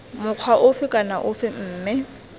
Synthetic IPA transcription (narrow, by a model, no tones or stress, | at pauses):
mʊq͡χʰwaʔʊfɪkʼanaʔʊfɪm̩ːmɪ